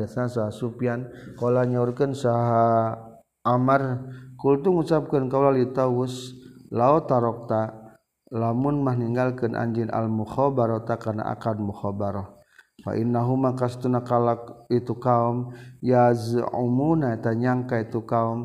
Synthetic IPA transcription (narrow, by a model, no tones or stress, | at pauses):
aθnasaɦasupiankolaɲaurkənsaɦa | ʔːmarkult̪uŋusap̚kənkawlalit̪awuslaɔt̪aɾɔk̚t̪a | lamunmahniŋɡalkənʔa̰ɲd͡ʒinʔa̰lmuxɔbaɾɔt̪akarna̰ʔa̰kad̚muxɔbaɾɔh | fa̰ʔinːaɦumakast̪unakalakit̪ukaumjazṵmunait̪aɲaŋkait̪ukaum